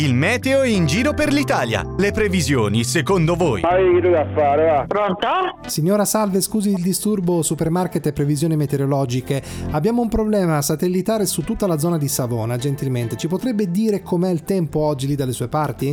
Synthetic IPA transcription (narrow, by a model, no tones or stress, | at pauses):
ilmɛːt̪eoind͡ʒiːɾoperlit̪aːlja̰lepɾevizjoːnisekond̪ovoːj̰aiked̪ud̪afaːɾeapɾont̪asiɲːoːɾasalveskuːziːld̪ist̪urbosupermarket̪ːepːɾevizjoːnimet̪eɾolɔːd͡ʒikeabːjaːmoumpɾoblɛːmasat̪elːit̪aːɾesut̪ːut̪ːalad̪zɔːnad̪isavoːnad͡ʒent̪ilment̪et͡ʃipot̪ɾɛbːed̪iːɾekʰomeɛilt̪ɛmpoɔd͡ʒːilid̪ːalːesuːepart̪i